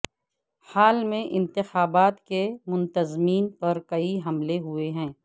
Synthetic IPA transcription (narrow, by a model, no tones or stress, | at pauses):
haːlmẽʔɪ̃nt̪ɪxaːbaːt̪kemʊ̃nt̪əzmiːnpɐɾkɐiɦɐmleɦʊeɦɛ̃ː